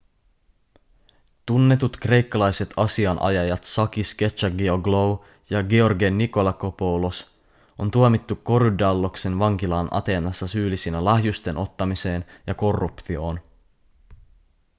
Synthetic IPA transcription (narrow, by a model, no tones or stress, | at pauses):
t̪unːe̞t̪ut̪kre̞jkːɑlɑjse̞t̪ʰɑsiɑnʔɑ̰jɑjɑt̪sɑk̟iske̞t͡ʃːɑɡeoɡlow | jɑɡeo̞rɡenːiko̞lɑkopo̞wlo̞s | ʔo̞nt̪uomit̪ːukːo̞ɾydɑlːo̞kse̞nʋɑŋk̟ilɑːnʔɑ̰t̪e̞ːnɑsːɑsyːlisinælɑɦjust̪e̞nʔo̞t̪ːɑmise̞ːnjɑko̞rːupt̪io̞ːn